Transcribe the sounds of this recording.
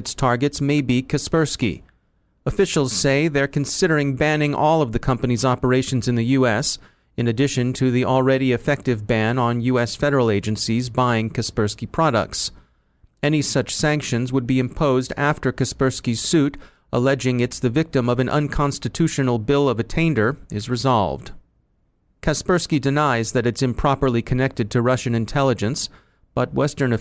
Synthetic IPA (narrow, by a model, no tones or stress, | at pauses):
ɨtstʰɑɹɡɨtsmeɪbikʰɨspɜ˞skḭ | əfɪʃl̩ˠz̥seɪðə˞kʰɨ̃n̩sɪɾə˞ɪ̃ŋbæ̃nɪ̃ŋʔɔlˠʌvðɨkʰʌ̃mpɨnizɑpə˞eɪʃɨ̃n̩zɨ̃nðɨjʉɛs | ɨ̃nɨdɪʃɨ̃ntʰɨðiʔl̩ˠɹɛɾiɨfɛk̚tɨvbæ̃nə̃njʉɛsfɛɾə˞l̩ˠeɪd͡ʒɨ̃nsizbaɪɪ̃ŋkʰɨspɜ˞skipʰɹ̥ɑɾə̰k̚ts | ɛnisʌt͡ʃsæ̃ŋkʃɨ̃nzwəd̚biɨ̃mpʰoʊzdæ̰ftə˞kɨspɜ˞skiz̥sʉɾ | ʔəlɛd͡ʒɪ̃ŋɨtsðɨvɪk̚tɨ̃mʌvɨ̃nʔʌ̰̃nkʰɑ̃nstɨtʰʉʃɨnl̩ˠbɪlˠʌvɨtʰẽɪ̃ndə˞ɨzɹɨzɑ̰lˠvd̥ | kʰæspɜ˞skidɨnaɪzðɨɾɨtsɨ̃mpʰɹ̥ɑpə˞lˠikʰɨnɛk̚tɨd̚tʰɨɹʌʃɨ̃nɨ̃ntʰɛlˠəd͡ʒɨ̃ns | b̥ʌt̚wɛstə̃˞nɨ